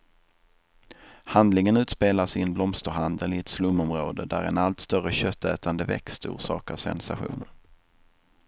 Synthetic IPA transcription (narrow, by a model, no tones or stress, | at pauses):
hand̪lɪŋənʉ̟ːt̪speːlasɪnblɔmst̪əɾɦand̪əlɪɛt̪slɵmːɔmɾoːd̪əd̪æ̰ɾɛ̰nalt̪st̪œrəɕœt̪ʰːɛːt̪and̪əvɛ̰kst̪ṵːʂɑ̰ːkasɛ̰nsaɧṵːn